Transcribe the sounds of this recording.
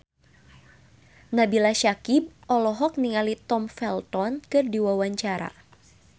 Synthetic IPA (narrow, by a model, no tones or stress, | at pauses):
nabilaʃakib̚ʔɔlɔɦɔk̚niŋalit̪ɔmfɛlt̪ɔnkɨrdiwawaɲt͡ʃaɾa̰